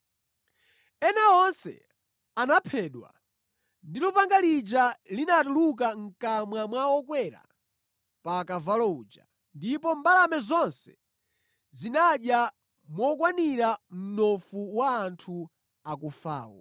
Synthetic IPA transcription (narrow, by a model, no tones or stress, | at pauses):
ɛnaɔnsɛ̰ | anapʰɛɗwa̰ | ndilɔpaŋɡalid͡ʒalinatuluk̬aŋ̩kamwamwawɔk̬wɛɾa̰ | pakavalɔuːd͡ʒa̰ | ndipɔmbalamɛzɔnsɛ̥ | zinaɗja | mwɔkwaniɾam̩nɔfuwaːntʰu | ak̬ufa̰ːwɔ̰